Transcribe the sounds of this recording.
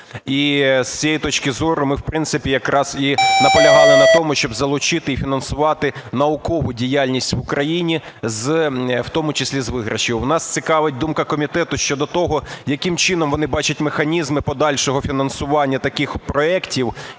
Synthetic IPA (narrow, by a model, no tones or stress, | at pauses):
ist͡sʲiɛjit̪ɔt͡ʃkɪzɔɾʊmɪwpɾɪnt̪sɪpʲijɐkɾɑz̥inɐpɔlʲɐɦɑlˠɪnɐt̪ɔmʊʃt͡ʃɔbzɐlˠʊt͡ʃɪt̪ɪifʲinɐnsʊʋɑt̪ɪnɐʊkɔʋʊdʲijalʲnʲisʲtʲʋʊkɾɐjinʲi | zwt̪ɔmʊt͡ʃɪsʲlʲizʋɪɦɾɐʃɪwnɑst͡sʲɪkɑʋɪt̚ʲd̪umkɐkɔmʲit̪ɛt̪ʊʃt͡ʃɔd̪ɔt̪ɔɦɔjɐkɪmt͡ʃɪn̪ɔmʋɔnɪbɑt͡ʃʊtʲmexɐnʲizmɪpɔd̪ɑlʲʃɔɦɔfʲinɐnsʊʋɑnʲːɐt̪ɐkɪxpɾɔɛktʲiw